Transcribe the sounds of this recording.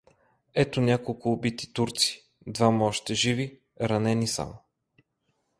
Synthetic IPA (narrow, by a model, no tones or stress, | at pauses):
ɛt̪onʲakolˠkʊːbit̪i̥t̪uɾt̪si̥ | d̪vamɔʃt̪ɛʒivi | ɾɐnɛnisa̰mo